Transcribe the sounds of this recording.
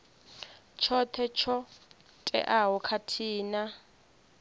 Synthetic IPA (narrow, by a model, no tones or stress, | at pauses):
t͡ʃʰɔt̪ʰɛt͡ʃʰɔ | tʼɛ̰ʔaɦɔkʰatʰiːna